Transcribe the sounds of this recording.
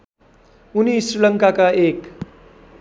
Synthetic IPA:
unisrɾilʌŋkakaek

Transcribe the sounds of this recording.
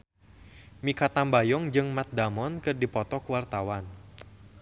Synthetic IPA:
mikat̪ambajɔŋd͡ʒɨŋmat̪̚damɔnkɨrdipɔt̪ɔkuwart̪awan

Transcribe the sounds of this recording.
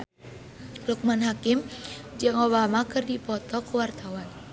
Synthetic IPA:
luk̚manɦakimd͡ʒɨŋoβamakɨrdipɔt̪ɔkuwart̪awan

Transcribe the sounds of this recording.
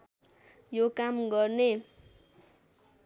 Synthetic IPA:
jokamɡʌrne

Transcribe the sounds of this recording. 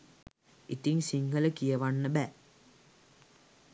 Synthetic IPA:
it̪iŋsiŋɡələkijɐʋanːəbæ

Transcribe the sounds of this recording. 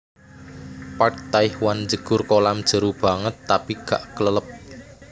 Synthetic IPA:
paʈ̚t̪aɪhwand͡ʒəɡ̥ʊrkolamd̥ʒ̥ə̤ɾub̥a̤ŋət̪ːapiɡ̥aʔkələləp̚

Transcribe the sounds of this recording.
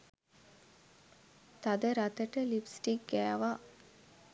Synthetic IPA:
t̪ad̪əɾat̪əʈəlipsʈik̚ɡæːʋa

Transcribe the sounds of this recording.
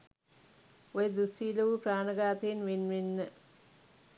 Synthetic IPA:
ojəd̪usiːləʋupraːnəɡaːt̪eenʋenʋenːə

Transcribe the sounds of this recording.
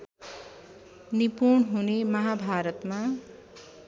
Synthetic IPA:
nipunɦunemʌɦabʱaɾʌt̪ma

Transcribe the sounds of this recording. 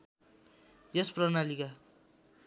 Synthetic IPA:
jʌsprʌnalika

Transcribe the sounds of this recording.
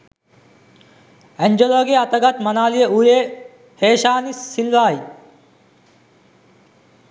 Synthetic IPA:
ɛɲd͡ʒoloːɡieɐt̪ɐɡɐt̪mɐnaːlijeuje | heːʃaːnisːilʋaːj

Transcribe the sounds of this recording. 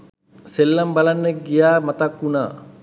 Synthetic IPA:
selːambalanːəɡijaːmat̪akuna̰ː

